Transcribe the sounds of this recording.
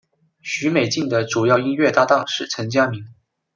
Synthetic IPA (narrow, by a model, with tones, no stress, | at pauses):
ɕy˧˥me˨˩ɪt͡ɕi˥˩ŋd̪ə˩ʈ͡ʂu˨˩jɑ˥˩ʊi˥nɥɛ˥˧t̪a˥˧t̪ɑ˥˧ŋʂɻ̩˥˩t͡sʰə˧˥ŋt͡ɕja˥mi˧˥ŋ